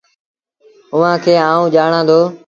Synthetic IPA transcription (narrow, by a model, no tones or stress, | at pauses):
ʊʋãːkʰeːãːũːd͡ʒaːɳãːd̪oː